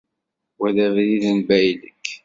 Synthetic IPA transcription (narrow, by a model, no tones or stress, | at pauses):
wæðævðiðənbæjlə̰kː